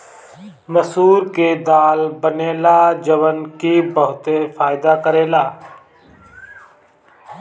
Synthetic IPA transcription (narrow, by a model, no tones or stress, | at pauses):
məsuːɾkeːd̪aːlbəneːlaːd͡ʒəʋənkiːbəɦʊt̪eːfʰaːɪd̪aːkəɾeːlaː